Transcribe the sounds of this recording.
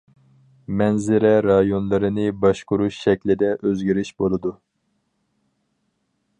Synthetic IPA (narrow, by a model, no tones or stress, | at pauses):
mɛnzɪɾɛɾɑjonlˠɨɾɨnɨbɑʃkuɾuʃʃɛkʲlɪd̪ɛʔøzɡʲiɾiʃbolˠɨd̪u